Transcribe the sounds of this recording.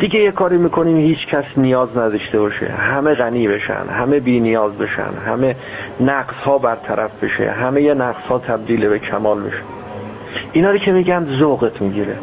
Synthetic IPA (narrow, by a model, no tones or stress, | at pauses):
d̪̥iɡejekʰɒːɾiːmiːkʰo̞niːmhiːt͡ʃʰcʰæsnijɒːznæd̪ɒʃt̪e̞bɒːʃḛhæme̞ɣæniːbe̞ʃæ̰nd̪̥hæmebiːnijɒːzbe̞ʃæ̰nd̪hæme | næɢshɒːbæɾt̪ʰæɾʔæfb̥e̞ʃḛɦæmejenæqz̥hɒːt̪ʰæb̚d̪iːlebe̞cʰæmɒːlbe̞̰ʃe̥ | ʔinɒːɾiːcʰe̞miːɟænd̪zoɣet̪ʰmiːɟiːɾe